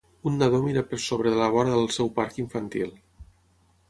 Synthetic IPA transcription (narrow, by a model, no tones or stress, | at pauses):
unːəðomiɾəpəɾsoβɾəðələβɔɾəðəlˠsɛwpaɾkiɱfənt̪ilˠ